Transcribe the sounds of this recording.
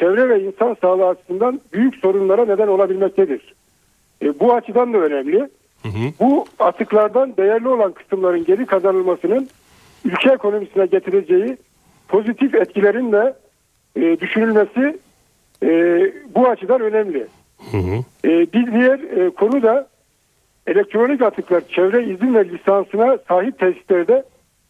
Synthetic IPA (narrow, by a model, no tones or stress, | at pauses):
t͡ʃʰɛvɾɛvɛinsansaːlˠaːt͡ʃʰɯ̥sɯnd̪anbyjycso̞ɾunlˠaɾaned̪æno̞lˠabilʲmɛc̚t̪ʰɛd̪iɾ̥ | buat͡ʃʰɯd̪and̪aø̞nɛmlʲi | buat̪ʰɯklˠaɾd̪and̪ejæɾlʲio̞lˠankʰɯ̥sɯmlˠaɾɯnɟe̞ɾikʰazanɯlˠmasɯnɯn | ylʲcʰɛekʰo̞no̞misinɛɟet̪ʰiɾed͡ʒeji | pʰo̞zit̪ʰifɛt̪cʰilʲeɾind̪ɛ | d̪yʃynylʲmesi | buat͡ʃʰɯd̪anø̞nɛmlʲi | biɾd̪ijæɾkʰo̞nud̪a | elʲɛk̚t̪ɾo̞nicat̪ʰɯklˠaɾt͡ʃʰɛvɾɛizinvɛlʲisansɯnasaːɦip̚t̪ʰɛsi̥slʲæɾd̪ɛ